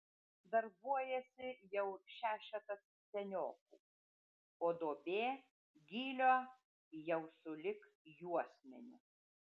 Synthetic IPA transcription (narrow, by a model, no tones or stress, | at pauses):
d̪ɐɾbuɔjɛsʲɪjɛʊʃʲæːʃʲɛt̪ɐs | sʲɛnʲoːkuː | oːd̪oːbʲeː | ɡʲiːlʲoː | jɛʊsʊlʲɪk | juɔsʲmʲɛnʲʊ̰